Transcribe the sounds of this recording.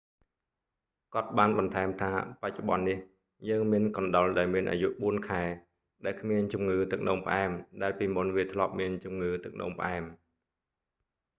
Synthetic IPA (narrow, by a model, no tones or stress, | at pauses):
kŏət̪̚ɓaːnɓɑnt̪ʰaɛmt̪ʰaːpac̚t͡ɕuɓɑ̰nːih | jəːŋmiənkɑnɗolɗaɔlmiənʔa̰ːjuʔɓuənkʰaɛ | ɗaɛlkʰmiənt͡ɕumŋɨːt̪ɨk̚noːmpəʔaɛmɗaɛlpiːmunʋiət̪ʰlŏəp̚miənt͡ɕumŋɨːt̪ɨk̚no̰ːmpəʔaɛm